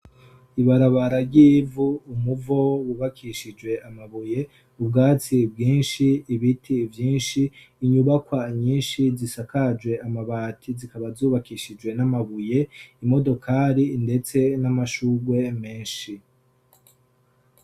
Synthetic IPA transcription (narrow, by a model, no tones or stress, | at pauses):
iβaɾaβaɾaɾɟiːvuːmuvo̞wuβakʰiʃid͡ʒwe̞ʔamaβuje̞ | ubɡaːt͡sibɡiːnʃiːβitʰivjiːnʃiː | ɲuβakwaɲiːnʃizisakad͡ʒwe̞amaβaːtʰizikaβazuːβakiʃid͡ʒwe̞namaβuje̞imo̞do̞kʰaːɾinde̞t͡se̞namaʃuːɡwe̞meːnʃi